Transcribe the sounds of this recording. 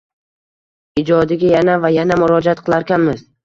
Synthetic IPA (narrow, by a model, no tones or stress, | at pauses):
ɪd͡ʒɒd̪ɪɡʲajanavajanamʊɾɒd͡ʒat̪qʰɨlˠaɾkʲanmɪz